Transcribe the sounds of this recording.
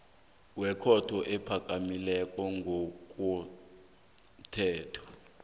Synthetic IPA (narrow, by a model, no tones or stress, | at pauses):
wɛkʰɔtʰɔʔɛpʰak̬ʼamilɛkʼɔŋɡʱok̬ʼɔ | tʰɛːtʰɔ̥